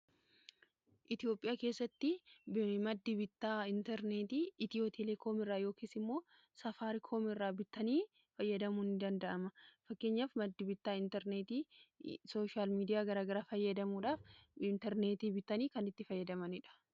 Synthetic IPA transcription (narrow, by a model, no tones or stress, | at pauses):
ʔɪt̪ɪo̞ːpʼːɪjaːke̞ːsːɐt̪ːɪbmɐd̪ːɪbɪt̪ːaːɪnt̪ɛɾneːt̪iːt̪ɪjoːt̪ʰɛlɛkʰo̞ːmɪrːaːjo̞ːkeːsɪmːo̞ː | sɐfaːɾɪkʰoːmɪrːaːbɪt̪ːɐniː | fɐjːɐd̪ɐmunɪd̪ɐnd̪ɐʔɐmɐfɐkːe̞ːɲːaːfmɐd̪ːɪbɪt̪ːaːɪnt̪ɛɾneːt̪iːso̞ːʃaːlmiːd̪ɪjaːɡɐɾaːɡɐɾaːfɐjːɐd̪ɐmuːᶑaːfɪnt̪ɛɾne̞ːt̪iːbɪt̪ːɐniːkɐnɪt̪ːɪfɐjːɐd̪ɐmɐnɪᶑɐ̥